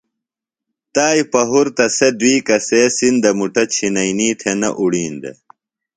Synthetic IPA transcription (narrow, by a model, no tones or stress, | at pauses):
t̪aːjpɐɦuɾt̪ɐsed̪wiːkɐsesind̪ɐmuʈɐt͡ɕʰinɐjniːt̪ʰenɐʔuɽiːnd̪ḛ